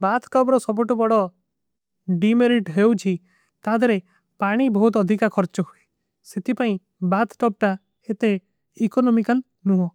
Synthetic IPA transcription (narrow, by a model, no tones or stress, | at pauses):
bat̪ʰʈɔbɾɔsɔbuʈubɔɽɔ | ɖimeɾiʈɦewt͡ʃʰi | t̪aɦd̪ɔɾe | paɽ̃ibɔɦut̪ɔd̪ʱikakʰɔɾt͡ʃɔɦue | set̪ʰipaĩ | bat̪ʰʈɔb̚ʈa | et̪e | ikɔnɔmikal | nuɦɔ